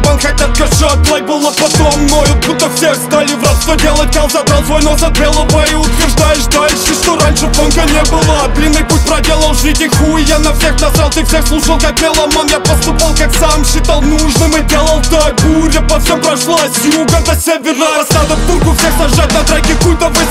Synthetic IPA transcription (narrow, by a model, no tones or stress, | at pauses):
ʊpalˠkak̚t̪ɐt̪kɐʂoplˠajbɨlˠɐpɐt̪omnojʊt̪put̪ɐfsʲexst̪alʲɪvɾat̪st̪vɐdʲelˠət̚ʲkɐlˠzɐt̪ɾalˠzvojnozɐt̪vʲelˠɐvɐɪʊt̪vʲɪrʐd̪ajɪʂd̪ajɪʂɨʂt̪oɾanʲʂɨponkɐnʲebɨlˠɐbʲlʲinːɨjput̚ʲpɾɐdʲelˠəlˠʐikʲɪxujanɐfsʲexnɐsalˠt̪ɨfsʲexslˠuʂəlˠkak̚bʲelˠɐmonjapɐst̪upalˠkaksamʃɪt̪alˠnuʐnɨmɨdʲelˠəlˠd̪ɐɡuɾʲɪpɐfsʲempɾɐʂlˠasʲjuɡət̪əsʲevʲɪrasad̪əpt̪ulʲkʊfsʲexsɐʐʐat̚ʲnɐt̪ɾaɡʲɪkujt̪əvɨ